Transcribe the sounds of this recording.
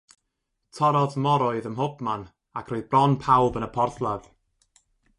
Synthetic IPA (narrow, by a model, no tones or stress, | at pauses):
tʰɔɾɔðmɔɾɔɨðəmɦʊb̥man | akʰroɨðbrɔnpʰawbənəpʰɔrθlˠað̥